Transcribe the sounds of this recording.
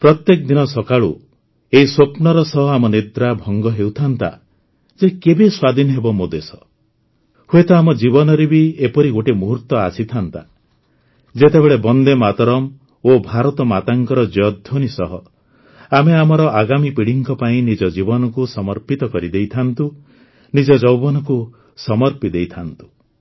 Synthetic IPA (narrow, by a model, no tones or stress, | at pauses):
pɾɔt̪jekd̪inɔsɔkaɭṵ | eiswopnɔɾɔsɔɦɔamɔnid̪ɾabʱɔŋɡɔɦewt̪ʰant̪a̰ | d͡ʒekebeswad̪ʱinɔɦebɔmod̪esɔ̥ | huet̪ɔamɔd͡ʒibɔnɔɾebiepɔɾiɡoʈemuɦuɾt̪ɔa̰sit̪ʰant̪a | d͡ʒet̪ebeɭebɔnd̪emat̪ɔɾɔm | obʱaɾɔt̪ɔmat̪aŋkɔɾɔd͡ʒɔd̪ʱonisɔɦɔ | ameamɔɾɔʔaɡamipiɽiŋkɔpaĩnid͡ʒɔd͡ʒibɔnɔkusɔmɔɾpit̪ɔkɔɾid̪ejt̪ʰant̪u | nid͡ʒɔd͡ʒɔwbɔnɔku | sɔmɔɾpid̪ejt̪ʰant̪u̥